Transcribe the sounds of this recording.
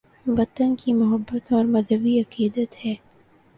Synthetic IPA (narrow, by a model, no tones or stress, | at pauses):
ʋɐt̪ənkimʊɦəbːət̪ɔːɾmɐzɦəbiɐqiːd̪ət̪hɛː